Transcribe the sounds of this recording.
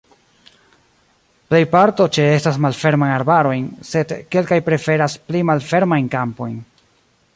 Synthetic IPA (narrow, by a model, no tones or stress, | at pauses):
ple̞jpaɾto̞t͡ʃe̞e̞stasmalfe̞ɾmajnaɾbaɾo̞jnse̞dke̞lkajpɾe̞fe̞ɾasplimalfe̞ɾmajnkampo̞̰jn